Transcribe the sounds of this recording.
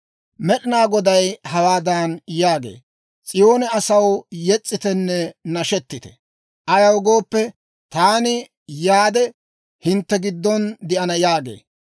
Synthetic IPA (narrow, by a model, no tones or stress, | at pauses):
mɛɗɪnaːɡɔd̪ɐjhɐwaːd̪aːnjaːɡḛː | t͡sʼɪjo̞ːnɛɐsɐwjɛt͡sʼːɪt̪ɛnːɛnɐʃɛt̪ːɪt̪ɛ̥̰ | ʔɐjɐwɡo̞ːpːɛ | t̪aːnɪ | jaːd̪ɛ | hɪnt̪ːɛɡɪd̪ːɔnd̪ɪʔɐnɐjaːɡḛː